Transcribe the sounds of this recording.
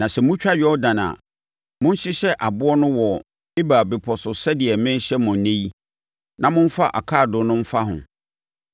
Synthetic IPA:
nã˨sɛ˨mʊ̃˦t͡ɕᶣa˦ɥɔ˦dã˨na̰˨ | mʊ̃˦n̩˦ɕɪ˦ɕɛ˦ʔa˨bʊ˦ɔ˦nʊ̃˦wɔ˨ | e˦baː˨be˨pʰɔ˨sʊ˨sɛ˦dɪ˨ɛ˨mɪ̃˦ɕɛ˦mʊ̃˨˦nẽ˦i˦ | nã˦mʊ̃˦n̩˦fa˦ʔa˨kʰaː˦˨dʊ˨nʊ̃˦m̩˦fa˦ɦʊ̰̃˨

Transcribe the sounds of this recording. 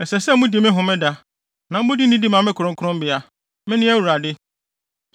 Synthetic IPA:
ɛ˨sɛ˨sɛ˦mʊ̃˦di˨mɪ̃˦ɦʊ̃˨mɪ̃˦da˦ | nã˨m̩˦mʊ̃˦di˦nĩ˦di˦mã˨mɪ̃˦kʰʊ˨ɾʊ̃˦kʊ˦ʊ̃˦m˦bɪ˨˦a˨ | mɪ̃˦nɪ̃˦æ˦wu˨ɾa˨dɪ˦

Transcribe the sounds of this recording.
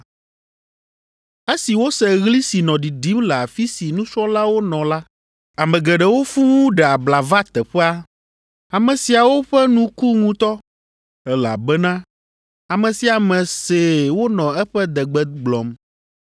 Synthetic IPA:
e˦si˨wo˦sɛ˨ɣli˦si˨nɔ̃˨ɖi˨ɖi˨˦mlɛ˨a˨fi˦si˨nũ˦sɔ˦la˦wo˦nɔ̃˨la˦ | a˨mɛ̃˨ɡɛ˨ɖɛ˨wo˦fu˦ŋũ˦ɖɛ˨a˨bla˨va˦t̪ɛ˨ɸɛ˦a˦ | a˨mɛ̃˨si˨a˨wo˦ɸɛ˦nũ˦ku˦ŋũ˦t̪ɔ˦ | ɛ˦la̰˨bɛ˦nã˦ | a˨mɛ̃˨si˨a˨mɛ̃˨se˨wo˦nɔ̃˨ɛ˦ɸɛ˦d̪ɛ˨ɡ͡bɛ˦ɡ͡blɔ˨m

